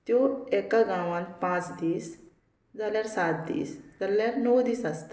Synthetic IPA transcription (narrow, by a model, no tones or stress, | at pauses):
t̪joekaɡãʋãnpãt͡sd̪iːs | d͡zaljaɾsat̪̚d̪ḭːsd͡zaljaɾnɔwd̪iːsast̪